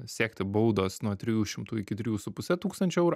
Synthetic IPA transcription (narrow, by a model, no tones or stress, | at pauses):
sʲæːkt̪ʲɪboʊd̪oːsnuɔt̪ʲɾʲɪjuːʃʲɪmt̪uːɪkʲɪt̪ʲɾʲɪjuːsʊpʊsʲɛt̪uːkst̪ɐnʲt͡ʃʲʊɛʊɾʊ